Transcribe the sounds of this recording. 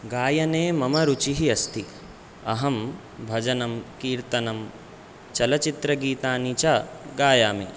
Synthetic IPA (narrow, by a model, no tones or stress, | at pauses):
ɡaːjɐneːmɐmɐɾut͡ʃiɦiɐst̪ʰi | ɐɦɐm | bʱɐd͡ʒɐnɐmkiːɾt̪ɐnɐm | t͡ʃɐlɐt͡ʃit̪ɾɐɡiːt̪aːnit͡ʃaːɡaːjaːmḛː